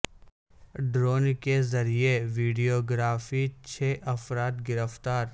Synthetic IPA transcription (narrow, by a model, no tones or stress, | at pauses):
ɖɾoːnkezɐɾieʋiːɖijoːɡɾaːfit͡ʃʰeːʔɐfɾaːt̪ɡɪɾəft̪aːɾ